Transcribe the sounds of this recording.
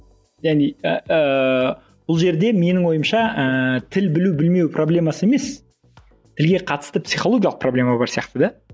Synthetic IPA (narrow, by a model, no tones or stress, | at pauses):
ʒæneəə | b̥ʊlˠʒe̞ɾd̪e̞me̞nɪŋwo̞jəmʃɑət̪ʰɪlbɪlubɪlme̞wpʰroblʲe̞mɑsəe̞me̞s | t̪ʰɪlɡʲe̞qʰɑt̪ə̥st̪əpsijχo̞lˠo̞ɡʲijɑlˠəq̚problʲe̞mɑbɑɾsijɑqt̪əd̪ɑ